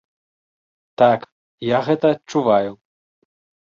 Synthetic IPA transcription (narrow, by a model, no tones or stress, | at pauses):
t̪ak | jaɣɛt̪ɐːtt͡ʂuvaju